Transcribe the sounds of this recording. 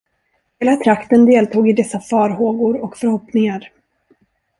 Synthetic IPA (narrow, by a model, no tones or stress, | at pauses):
heːlat̪ʰɾakt̪ənd̪eːlt̪ʰuːɡɪd̪ɛsːafɑːɾɦoːɡʊɾɔkfœɾhɔpnɪŋaɾ